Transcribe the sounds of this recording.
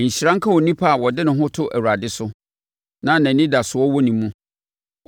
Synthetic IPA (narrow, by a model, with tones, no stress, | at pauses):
ɲ̩˨ɕi˨ɾã˦ŋ̩˦kʰã˦wɔ˨nĩ˦pʰa˦a˨wɔ˨dɪ˦nɪ̃˨ɦʊ̃˦tʰʊ˦ʔæ̰˨wu˨ɾa˨dɪ˦sʊ˦ | nã˦næ̃˨nĩ˦da˨sʊ˨wɔ˦wɔ˦nĩ˨mũ˦